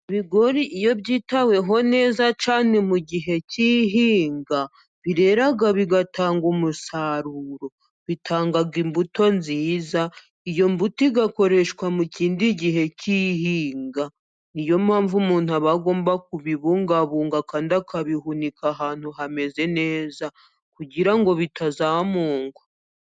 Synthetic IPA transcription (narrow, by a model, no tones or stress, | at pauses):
iβiɡo̞ɾiʔijo̞βɟiːtawe̞ɦo̞ne̞ːzat͡ʃaːne̞muɟiɦe̞ciɦiːŋɡa | βiɾe̞ɾaɡaβiɡataːŋɡumusaɾuɾo̞ | βitʰaːŋɡaɡimbuto̞nziːza | ijo̞mbutiɡako̞ɾe̞ʃkwamuciːndiɟiɦe̞ciɦiːŋɡa | ijo̞maːɱvumuːn̥huaβaɡo̞ːmbak̚uβiβuːŋɡaβuːŋɡakaːndakʰaβihunikaɦaːn̥huɦame̞ze̞ne̞ːza | kuɟiɾaŋɡo̞βitazamuːŋɡwa